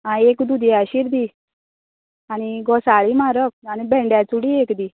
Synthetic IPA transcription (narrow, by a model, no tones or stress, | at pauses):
aiekd̪ud̪iaɕiɾd̪iː | añiɡɔsaɭimaɾək̚añibʱɛ̃ɳɖjat͡suɽiekd̪iː